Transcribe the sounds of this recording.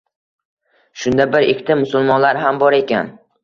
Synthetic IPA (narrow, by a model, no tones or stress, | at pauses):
ʃʊnd̪abɪɾekʰʲt̪ɪmːʊsʊlˠmɒnlaɾɦambɒɾe̞kʲa̰n